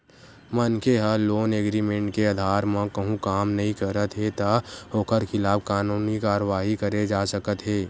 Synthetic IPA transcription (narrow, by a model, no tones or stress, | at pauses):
mənkeɦəloːneːɡɾiːmẽɳʈkeəd̪ʱaːɾmãkɐɦũkaːmnɐɦĩkɐɾət̪ɦet̪aoːkəɾkʰɪlaːb̚kaːnuːnikaːɾəʋaːɦikɐɾed͡ʒaːsəkət̪ɦeː